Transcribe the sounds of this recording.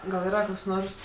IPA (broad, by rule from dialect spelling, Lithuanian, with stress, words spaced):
ɡɐlˠ iːˈrɐ ˈkoːks ˈnoːrs